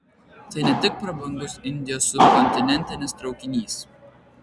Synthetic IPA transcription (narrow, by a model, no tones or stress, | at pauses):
t̪ɐɪnʲɛt̪ʲɪk̚pɾɐbɐŋɡʊsɪnʲd̪ʲɪjɔsʊkɔnʲt̪ʲɪnʲɛnʲt̪ʲɪnʲɪst̪ɾɐʊkʲɪnʲiːs